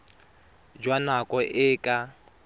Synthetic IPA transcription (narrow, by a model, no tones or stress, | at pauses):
d͡ʒwanakʼɔʔɪːkʼa